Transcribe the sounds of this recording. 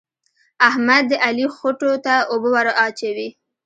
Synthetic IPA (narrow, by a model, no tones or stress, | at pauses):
ahmad̪ːəʔalixoʈot̪aobəwaɾaʔɑt͡ʃawi